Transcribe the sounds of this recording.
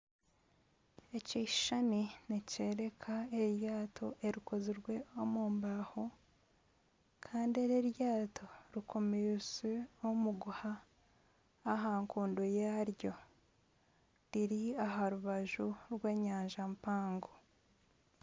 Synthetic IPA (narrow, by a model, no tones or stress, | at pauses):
e̞ciʃʃanineceːɾe̞kʰaeɾjaːtʰo̞ʔeɾiko̞ziɾwe̞o̞muːmbaho | kʰaːndieɾeɾjaːtʰo̞ɾikʰo̞mezeomuɡuha | ɦaŋkuːndojaɾjo̞ | ɾiɾiaɦaɾuβaʒuɾweːɲaːɲʒampaːŋɡo